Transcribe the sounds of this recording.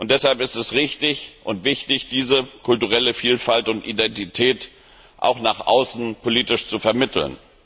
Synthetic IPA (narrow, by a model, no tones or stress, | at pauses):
ʔʊnt̚d̥ɛshalpɪstɛsʁɪçtɪçʔʊntv̥ɪçtɪçd̥iːzəkʰʊltuʁ̞ɛləfiːlfaltʊntʔidɛntitʰɛːt | ʔa̰ʊxnaːχʔa̰ʊsn̩pʰoliːtɪʃt͡sufɛɐmɪtʰl̩n